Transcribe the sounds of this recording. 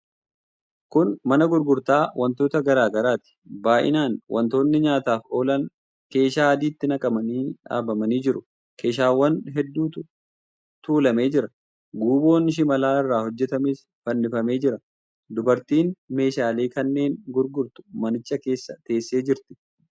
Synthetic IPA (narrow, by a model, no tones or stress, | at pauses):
kʊnmɐnɐɡʊɾɡʊɾt̪aːwʔɐnt̪o̞ːt̪ɐɡɐɾaːɡɐɾaːt̪ɪ̥baːʔɪ̰naːnwʔɐ̰nt̪o̞ːnːɪɲaːt̪aːfo̞ːlɐn | ke̞ːʃaːɐd̪iːt̪ːɪnɐkʼɐmɐniːᶑa̰ːbɐmɐniːd͡ʒɪɾʊ | ke̞ːʃ̬aːwːɐnɦɛd̪ːuːt̪ʊ | t̪uːlɐme̞ːd͡ʒɪɾɐ | ɡuːbo̞ːnɪʃ̬ɪmɐlaːɪrːaːhɔd͡ʒːɛt̪ɐmɪs | fɐnːɪfɐme̞ːd͡ʒɪɾɐ | d̪ʊbɐɾt̪iːnme̞ːʃaːleːkɐnːe̞ːŋɡʊɾɡʊɾt̪ʊ̥mɐnɪt͡ʃːɐke̞ːsːɐt̪e̞ːsːe̞ːd͡ʒɪɾt̪ɪ̥